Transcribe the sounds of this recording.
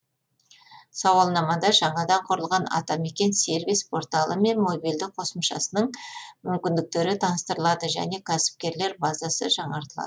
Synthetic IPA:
sɑwɑlˠnɑmɑd̪ɑʒɑɴɑd̪ɑɴqʰʊɾəlˠʁɑnɑ̰t̪ɑme̞kʲe̞nse̞ɾvijspʰo̞ɾt̪ɑlˠəme̞nmo̞bild̪ɪk̚qʰo̞səmʃɑ̰sənəɴmʏmkʲɪnd̪ɪk̚t̪e̞ɾɪt̪ʰɑnəst̪əɾəlˠɑd̪əʒæ̰ne̞kʲʰæsɪ̥p̚kʲe̞ɾle̞ɾbɑzɑsə̰ʒɑɴɑɾt̪əlˠɑ̰d̪ə

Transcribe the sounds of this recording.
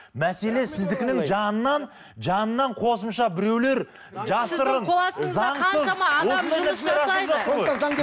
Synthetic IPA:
mæse̞le̞sɪzd̪ɪkʲɪnɪŋʒɑnənɑn | ʒɑnənːɑɴqʰo̞s̬əmʃɑbɪɾe̞wle̞ɾ | ʒɑsəɾʁəɴˠɑsɑɴsəzɑwosnd̪ɑd̪ɑsɪeɾɑʒɑt̪ːəʁojɑŋ

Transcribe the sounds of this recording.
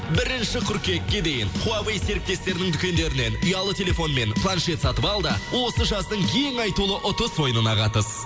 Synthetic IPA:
bɪɾɪnʃɪkʰʲʏɾkʲe̞k̪̚ʲːe̞d̪e̞jɪɴqʰuɑvejse̞ɾɪk̚t̪e̞st̪e̞ɾɪnɪŋt̪ʰʏkʲe̞nd̪e̞ɾɪne̞nʊjɑlˠət̪ʲʰe̞lʲe̞fo̞nme̞npʰlˠanʃe̞t̪sɑt̪əpɑlˠd̪əwo̞səʒɑzd̪əɴjʰe̞ŋɑjt̪ulˠəʔʊt̪əswo̞jənənɑqɑt̪əs

